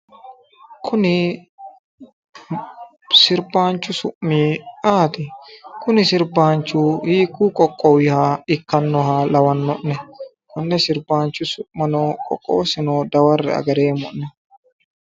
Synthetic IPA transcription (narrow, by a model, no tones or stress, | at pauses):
kʰʊnɪ | sɪɾbaːnt͡ʃːʊsʊʔmiːaːt̪ɪkʊnɪsɪɾbaːnt͡ʃuːhiːkuːkʼɔkʼːɔwɪhaːɪkːɐnːɔhaːlɐwɐnːɔʔnɛ | kʊnːɛsɪɾbaːnt͡ʃːʊsʊʔmɐnoːkʼɔ̰kʼːo̰ːsɪnoːd̪ɐwɐrːɛ̰ɐ̰ɡɐɾeːmɔnnɛ